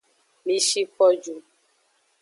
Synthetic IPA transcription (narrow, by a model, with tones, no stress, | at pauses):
mĩ˨ʃi˦k͡pɔ˦d͡ʒu˨